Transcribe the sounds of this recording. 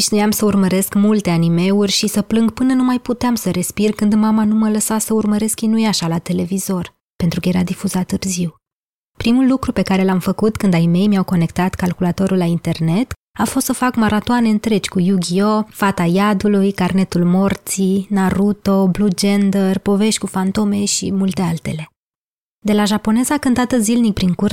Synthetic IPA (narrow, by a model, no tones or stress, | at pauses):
iʃnujamsəurməɾe̞skmult̪e̞anime̞urʲʃisəplɨŋɡpɨnənumajput̪eamsəɾe̞spirkɨnd̪mamanumələsasəurməɾe̞skinujaʃalat̪e̞le̞vizo̞r | pe̞nt̪ɾukəjeɾad̪ifuzat̪ːɨrziw | pɾimulːukɾupe̞kaɾe̞lamfəkut̪kɨnd̪ajme̞jmjawko̞ne̞kt̪at̪kalkulat̪o̞ɾulːaint̪e̞rne̞t̪ | afo̞st̪səfakmaɾat̪oane̞ɨnt̪ɾe̞t͡ʃʲkujuɡʲiofat̪ajad̪ulujkarne̞t̪ulmo̞rt̪sinaɾut̪o̞blud͡ʒend̪ərpo̞ve̞ʃt̪ʲkufant̪o̞me̞ʃḭmult̪e̞alt̪e̞̰le̞ | d̪e̞laʒapo̞ne̞zakɨnt̪at̪əzilnik̚pɾiŋkur